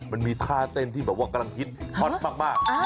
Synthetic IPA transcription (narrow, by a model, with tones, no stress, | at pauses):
ma˧nmiː˧t̪ʰaː˥˩t̪e˧nt̪ʰiː˥˩bɛː˨˩p̚waː˥˩ka˧la˧ŋkʰi˦˥t̪̚hʰɔ˦˥˩maː˥˩k̚maː˥˩k̚